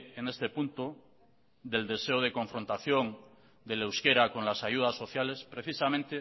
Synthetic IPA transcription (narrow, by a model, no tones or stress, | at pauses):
ene̞st̪e̞punt̪o | d̪e̞ld̪e̞seoðe̞kõ̞ɱfɾo̞nt̪aθjoŋ | d̪elewskeɾako̞nlasaʝuðasːo̞θjalespɾe̞θisamẽnt̪e